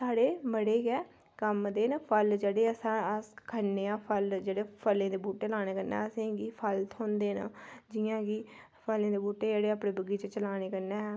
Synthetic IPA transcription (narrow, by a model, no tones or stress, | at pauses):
saːɽeːməɽeːɡɛː | kəmd̪eːnːpʰəld͡ʒeːɽeːəsãːəskʰənːeãːpʰəld͡ʒeːɽeːpʰəlːẽːd̪eːbuːʈeːlaːneːkəɾnɛ̰ːəsẽːɡiːpʰəlt̪ʰɦõːnd̪eːna̰ːd͡ʒɪjãːɡiː | pʰəlẽːd̪eːbuːʈeːd͡ʒeːɽeːaːpɽẽːbəɡiːt͡ʃət͡ʃəlaːneːkəɾnɛː